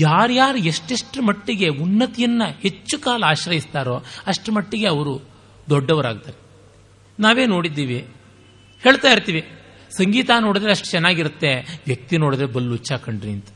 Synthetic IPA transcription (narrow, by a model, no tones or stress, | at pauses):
jaːɾjaːɾueʂʈeʂʈumɐʈːiɡe̞unːɐt̪ijɐnːɐhe̞t͡ʃːukaːlɐaːʃɾɐjist̪aːɾo̞ːɐʂʈmɐʈːiɡe̞ɐʋɐɾu | d̪ɔɖːɐʋɐɾaːɡ̚t̪aːɾe | naːʋe̞ːno̞ːɽid̪ːiːʋi | heːɭt̪aːiɾt̪iːʋi | sɐŋɡiːt̪aːno̞ːɽid̪ɾeɐʂʈu̥t͡ʃɛnːaːɡiɾut̪ːe̞ʋjɐk̚t̪ino̞ːɽid̪ɾebɐlːut͡ʃːaːkɐɳɖɾiɐnt̪ɐ̥